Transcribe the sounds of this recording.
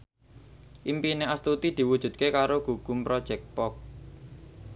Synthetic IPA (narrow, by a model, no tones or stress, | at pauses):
ʔimpineast̪ut̪id̪̥i̤wud̥ʒ̥ṳd̪̥̚kekaɾoɡ̥ṳɡ̥ṳmpɾɔd̥ʒ̥ɛk̪̚pɔk̚